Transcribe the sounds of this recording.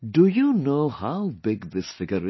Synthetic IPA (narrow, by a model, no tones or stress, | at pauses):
dujunoʊhaʊbɪɡðɪsfɪɡəɾɪ